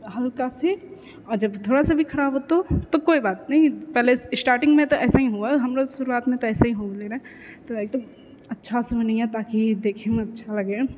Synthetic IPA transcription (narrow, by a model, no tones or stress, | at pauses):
ɦɐlkase | ɔːɾd͡ʒɐbt̪ʰoːɽasebʱikʰɐɾaːbɦoːt̪ot̪okoːibaːt̪nɐɦĩpɛːleɪsʈaːɾʈɪ̃ŋɡmẽt̪oʔɛːsaɦĩɦuaɦɐmɾosʊɾuaːt̪mẽt̪oɛːsaɦĩɦoːleɾa | t̪oeːk̚d̪ɐm | ɐtːʃʰasɐmenɐɦĩɛt̪aːkid̪eːkʰemẽɐtːʃʰalɐɡeː